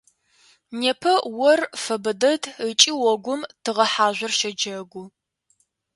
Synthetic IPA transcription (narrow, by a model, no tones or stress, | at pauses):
neːpʰɐwɔrfɐbɐdɐdət͡ʃʼiwɔɡʷʊmtʰɨʁɐħaːʒʷɐrʃɐd͡ʒɐɡʷʊ